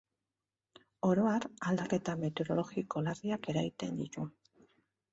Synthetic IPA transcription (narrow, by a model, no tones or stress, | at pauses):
o̞ɾo̞aɾald̪ake̞t̪ame̞t̪eo̞ɾo̞lo̞ɣiko̞lariake̞ɾajt̪e̞nd̪it̪u